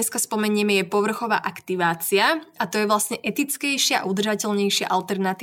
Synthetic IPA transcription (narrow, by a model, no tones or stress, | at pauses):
ɛskaspɔmɛɲɪɛmɛjɛpɔʋr̩xɔʋa̰ːʔakt̪iʋaːt͡siaat̪ɔjɛʋlasɲɛʔɛt̪it͡skɛjʃɪaʔa̰ud̪rʒacɛʎɲɛjʃɪa̰ʔalt̪ɛɾnat̪i